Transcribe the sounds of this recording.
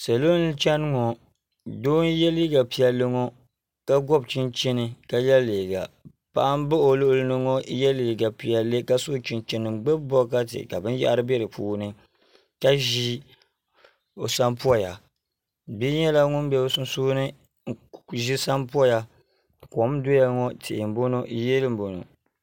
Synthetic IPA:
sa˨lo˦n˦t͡ʃɛ˦n˦ŋɔ˨ | doː˦n˦jɛ˦li˦ɡa˨pi˨a˨le˦ŋɔ˦ | ka˦ɡɔ˦bt͡ʃi˦nt͡ʃɛ˦nɨ˨ka˦jɛ˦leː˨ɡa̰˨ | pa˨ʔa˦m˦bɨ˦o˨lʊ˦ʔʊ˦lnɨ˦ŋɔ˦jɛ˦liː˨ɡa˨pi˨a˨le˦ka˦so˦t͡ʃi˦nt͡ʃɛ˨nɨ˨˦ɡ͡bɛ˦bbɔ˦ka˦tɨ̰˨ka˨bɨ˦n˦ja̰˦ʔa˦ɾɨ˦bɛ˦ɾɨ˨puː˦nɨ˦ | ka˦ʒi˦ | o˨sa˦mpu˦ɔ˦ja˨ | bi˦ɲɛ˦la˦ŋʊ˦n˦bɛ˦˨˦sn˦soː˦nɨ˦˨ | ʒi˦sa˦mpu˦ɔ˦ja˨ | ko˨˦m˦do˦ja˦ŋɔ˦tɪ˨ʔɪ˨m̩˨bo˦no˦jɛ˦lɨ˦m̩˨bo˨no̰˨

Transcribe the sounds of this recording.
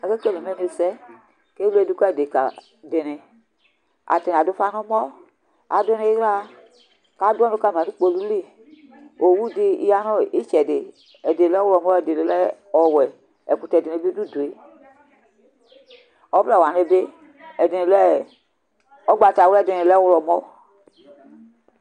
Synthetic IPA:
a˨ke˦ke˦le˨m˦e˦n˦e˨sɛ˦ | ke˦ɛ˦˨du˦kɔ˦ɛ˨de˨ka̰˨ | de˨nɪ˨ | a̰˨te˨n˨a˨do˦fa˦no˦mɔ˦ | a˨˦de˦ne˦ɣa˦ | ka˨˦dɔ˦no˦ka˦˨m˨a˨nu˦k͡po˧lu˦li˦˨ | o˨wu˦di˦ḭ˦ja˦nɔ˦i˦t͡ʃɛ˨de˨ | ɛ˨de˨lɛ˦wlɔ˨mɔ˦ɛ˨de˨le˨lɛ˦ | ɔ˨wɛ˨ | ɛ˨k͡pu˨tɛ˨dɪ˨ne˨˦bi˦du˦˨du˨e˨ | ɔ˦bɛ˨wa˨ne˦be˦ | ɛ˨dɪ˨nɪ˨lɛ˦ | ɔ˦ɡ͡ba˨ta˨wɛ˦˨dɪ˨nɪ˨lɛ˦wlɔ˨mɔ˦

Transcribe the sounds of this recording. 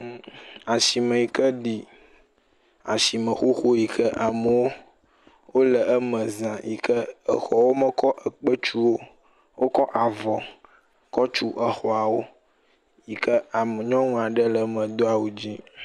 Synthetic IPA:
a˨si˨mə̃˨ji˨kə˦ɖi˨ | a˨si˨mə̃˨xo˦xo˦ji˨kə˦ʔa˨mə˨wo˦ | wo˦lə˨ə˦mə̃˨zã˨jḭ˨kə˦ə˨xɔ˨wo˦mə˨kɔ˦ʔə˨k͡pə˦t͡ʃu˦wo˦ | wʔo˦kɔ˦ʔa˨vɔ˨ | kɔ˦t͡ʃu˦ʔə˨xɔ˨a˨wo˦ | ji˨kə˦a˨mə˨ɲɔ̃˦ŋũ˦a˨ɖə˦lə˨mə̃˨d̪o˦a˨wu˨d͡ʑi˦

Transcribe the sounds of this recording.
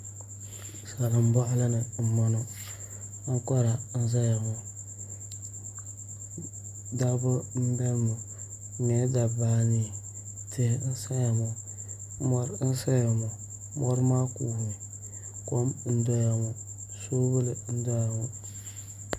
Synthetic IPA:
sa˨la˨m˦ba˦ʔla˦nə˨m̩˨mɔ˦no˨˦ | kɔ˦ɾa˨n̩˦z̬a˦ja˨mo˨ | da˦bo˦n̩˦be˦lmo˨ | ŋe˨˦da˨ba˦ni˨ | tʰɪ˦hn̩˦sa˦ja˨mo˨ | mɔ˦ɾn̩˦sa˦ja˨mo˨ | mo˦ɾma˦ku˨hu˨ | ko˦mn̩˦do˦ja˨mo˨ | so˦bə˦lə˨n̩˦do˦ja˨mo˨

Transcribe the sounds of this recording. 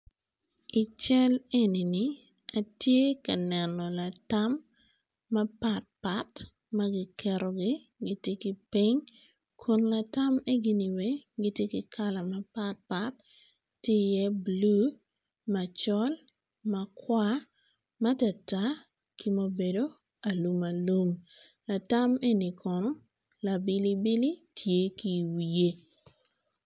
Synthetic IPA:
i˨t͡ʃɛ˦le˦ni˨ni˦ | a˨tje˦kɐ˨nɛ˨nɔ˨la˨ta˦mː | ɐ˦pa˦t̚pa˦t | mɐ˦ɡi˦kɛ˨ɾo˨ɡɪ˦ɡi˨tje˦kɪ˨pi˦ɲ | kʰu˦nla˨ta˦me˦ɡi˦ni˨we˦ɡi˨tje˦ki˨kʰa˦la˨mɐ˦pa˦t̚pa˦tː | ɪ˦jɛ˦blu˦ | ma˨t͡ʃɔ˦l | ma˨kwa˦ | ma˦ta˨ta˦ | ki˦mo˦be˨do˦ | a˨lu˨ma˨lu˦mla˨ta˦me˦ni˨kʰɔ˨nɔ˦ | la˨bɪ˦li˦bi˦li˦tʰje˦ki˨wi˨je˦

